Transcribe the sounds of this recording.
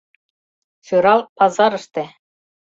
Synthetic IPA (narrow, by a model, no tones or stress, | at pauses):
fʲuɾɑlˠpɑzɑɾɤ̆ʃt̪ĕ